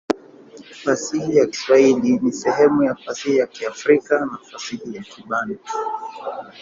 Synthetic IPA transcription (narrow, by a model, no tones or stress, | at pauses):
fasihijaki̥swailinisɛhɛmujafasihijakiafɾikanafasihijakiɓana